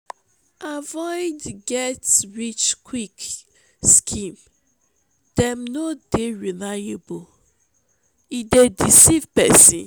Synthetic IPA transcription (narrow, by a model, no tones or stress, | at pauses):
ʔavɔɪdɡɛtɹit͡ʃkʰwik | skʰĩm | d̥ɛmnodeɹilajebol | idedisivpɛ̰sĩn